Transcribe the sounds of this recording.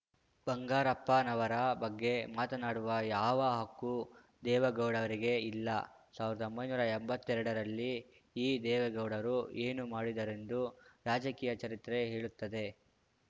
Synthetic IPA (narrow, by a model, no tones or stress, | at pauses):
b̥ɐŋɡaːɾɐpːɐnɐʋɐɾɐbɐɡːe̞maːt̪ɐnaːɽuʋɐjaːʋɐɦɐkːu | d̪ɛːʋɐɡɐwɽɐʋɐɾiɡe̞ilːɐ | saːʋiɾɐd̪ombɐjnuːɾɐɛmbɐt̪ːɛɾɐɽɐɾɐlːi | iːd̪ɛːʋɐɡɐwɽɐɾue̞ːnumaːɽid̪ɐɾe̞nd̪uɾaːd͡ʒɐkiːjɐt͡ʃɐɾit̪ɾe̞ɦe̞ːɭut̪ːɐd̪e̞